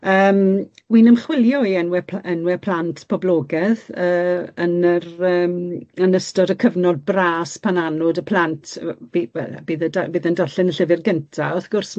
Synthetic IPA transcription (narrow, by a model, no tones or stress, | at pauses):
əːmwinəmχwɪljɔiɛnwɛɛnwɛpʰl̥antʰpʰɔblˠɔːɡɛðəːənərəːmənəstɔdəkʰəvnɔd̚braːspʰananɔdəpʰl̥ˠantʰb̥iwɛ̰la̰biːðədabiːðəndaɬɪnəɬɪvɪrɡəntʰaɔθɡ̥ʊrs